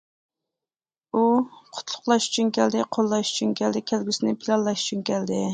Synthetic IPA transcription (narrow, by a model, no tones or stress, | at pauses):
uqʰʊ̥t̪ʰlˠʊqlˠɑʃy̥t͡ʃʰynkʲʰɛld̪ɪqʰolˠːɑʃy̥t͡ʃʰynkʲɛld̪ɪkʲʰælɡʲisɪnɪpʰilˠɑllˠɑʃy̥t͡ʃʰynkʲʰɛld̪ɪ